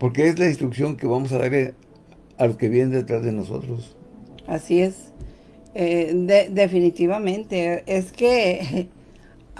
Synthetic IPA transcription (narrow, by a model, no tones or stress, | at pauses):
po̞ɾkeezlainst̪ɾuksjo̞ŋke̞βamo̞s̬aðaɾ | aloke̞βjenend̪et̪ɾazðeno̞so̞̰t̪ɾosasie̞s | eðeðefinit̪iβamẽ̞nt̪e̞eske